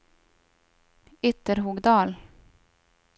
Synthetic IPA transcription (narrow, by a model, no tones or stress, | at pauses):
ʏt̪əɾɦuːɡd̪ɑːl